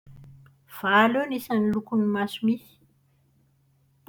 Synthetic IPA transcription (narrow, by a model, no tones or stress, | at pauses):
v̥alenisanilukunimasumisi̥